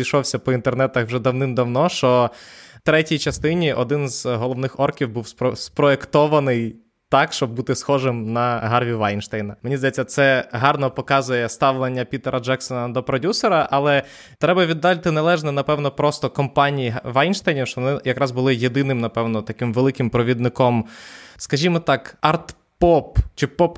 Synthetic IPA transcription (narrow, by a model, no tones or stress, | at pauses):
ijʃɔwsʲɐpɔint̪ernɛt̪ɐxwʒɛd̪ɐwnɪmd̪ɐwnɔʃt͡ʃɔt̪ɾɛtʲijt͡ʃɐst̪ɪnʲiʔɔd̪ɪnzɦɔlˠɔʋnɪxɔrkʲiwbuwspspɾɔekt̪ɔʋɐnɪj | t̪ɑkʃt͡ʃɔb̚ːut̪ɪsxɔʒɪmnɐɦɑrʋʲiʋajnʃt̪ɛjnɐmenʲizd̪ɐjɛt͡sʲːɐt̪sɛɦɑrnɔpɔkɑzʊjɛst̪ɑʋlˠenʲːɐpʲit̪ɛɾɐd͡ʒɛksɔnɐd̪ɔpɾɔdʲusɛɾɐʔɐlˠɛ | t̪ɾɛbɐʋʲid̪ːɑlʲt̪ɪnɐlˠɛʒnɛnɐpɛwnɔpɾɔst̪ɔkɔmpɑnʲijiɦʋɑjnʃt̪ajnʲiwʃt͡ʃɔʋɔnɪjɐkɾɑzbʊlˠɪjed̪ɪnɪmnɐpɛwnɔt̪ɐkɪmʋelˠɪkɪmpɾɔʋʲid̪nɪkɔmskɐʒʲimɔt̪ɑkɑrt̪ | pɔpt͡ʃɪpɔp